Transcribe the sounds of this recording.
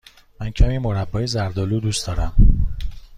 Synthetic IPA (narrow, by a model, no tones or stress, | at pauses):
mæncʰæmiːmoɾæbːɒːjezæɾd̪ɒluːd̪uːstd̪ɒːɾæm